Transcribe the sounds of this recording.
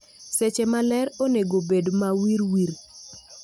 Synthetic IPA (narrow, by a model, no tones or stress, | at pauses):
sɛt͡ʃɛmalɛɾoneɡobedmawiɾwiɾ